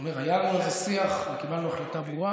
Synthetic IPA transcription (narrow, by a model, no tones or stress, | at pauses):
meʁajalanezesiaχmekivanluaχlat̪abua